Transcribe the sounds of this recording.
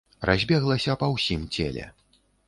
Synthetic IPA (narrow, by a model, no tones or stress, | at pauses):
rʔazʲbʲɛɣlˠɐsʲɐpɐwsʲimt͡sʲɛ̰lʲɛ̰